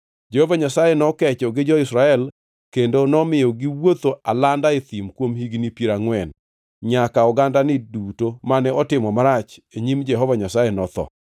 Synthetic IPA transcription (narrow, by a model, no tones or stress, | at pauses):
d͡ʒɛhovaɲasajenɔkɛt͡ʃɔɡɪd͡ʒɔɪsɾaɛl | kendonɔmɪjɔɡiwot̪oalandaet̪imkwomhiɡnipiɾaŋwɛn | ɲakaɔɡandanɪdutomanɛɔtɪmɔmaɾat͡ʃeɲimd͡ʒɛɦɔvaɲasajenɔt̪ɔ̰